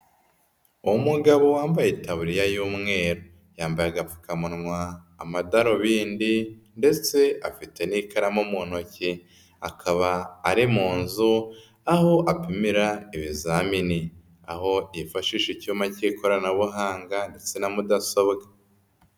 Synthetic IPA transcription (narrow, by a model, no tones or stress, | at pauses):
uwumuɡaβowaːmbajitaβuɾijajuːmŋe̞ːɾo | jaːmbajaɡafu̥kamunŋwaː | madaɾo̞βiːndinde̞t͡se̞afite̞niːkaɾamomuːn̥o̞ci | akʰaβaːɾimuːnzu | aho̞ʔapimiɾaiβizamini | a̰ho̞ifaʃiːʃicumacikʰo̞ɾanaβuɦaːŋɡande̞t͡se̞namudaso̞βɡa